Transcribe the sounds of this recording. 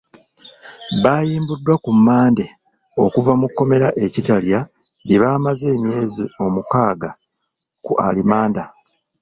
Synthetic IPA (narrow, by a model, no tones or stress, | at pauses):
βaːjiːmbudːwakumːaːnde̞ | o̞̰kuvamukːo̞me̞ɾaʔe̞citalja | niβaːmaze̞ːmje̞ːzio̞mukaːɡa | kṵʔa̰limaːnda